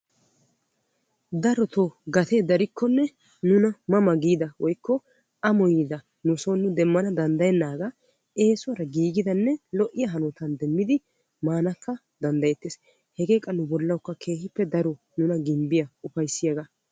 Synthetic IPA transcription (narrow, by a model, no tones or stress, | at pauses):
d̪ɐɾɔt̪oɡɐt̪ed̪ɐɾɪkːɔnːɛ | nʊnɐmɐmɐɡiːd̪ɐwɔjkːɔ | ʔɐmɔjiːd̪ɐ | nʊsɔnːʊd̪ɛmːɐnɐd̪ɐnd̪ɐjɛnːaːɡa | ʔe̞ːswɔɾɐɡiːɡɪd̪ɐnːɛlɔʔɪjɐɦɐnɔt̪ɐnd̪ɛmːɪd̪ɪ | maːnɐkːɐ | d̪ɐnd̪ɐjɛt̪ːeːs | hɛɡe̞ːkʼːɐnʊbɔlːɐwkːɐkʰe̞ːhɪpːɛd̪ɐɾɔ | nʊnɐɡɪmbɪjɐʊfɐjsːɪjɐɡɐ